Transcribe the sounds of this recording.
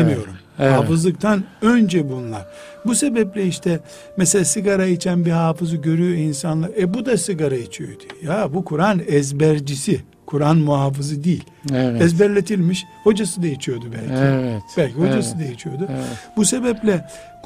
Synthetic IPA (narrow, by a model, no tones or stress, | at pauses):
emijoɾṵm | haːfɯzlˠɯk̚t̪ʰanø̞nd͡ʒɛbunlˠa̰ɾ̥ | buse̞bɛplʲɛiʃt̪ʰɛ | mɛselʲasiɡaɾait͡ʃʰænbiɦaːfɯzɯɟø̞ɾyjo̞insanlˠaɛbud̪asiɡaɾajit͡ʃʰijo̰d̪ijabukʰuɾanɛzbæɾd͡ʒisi | kʰuɾanmuɦaːfɯzɯd̪iːilʲɛɛzbæɾlʲet̪ʰilʲmiʃ | ho̞d͡ʒasɯd̪ajit͡ʃʰijo̞d̪ubæ̰lʲʰiɛt̪bælʲcihod͡ʒasɯd̪ajit͡ʃʰijo̞d̪ubusebɛplʲɛ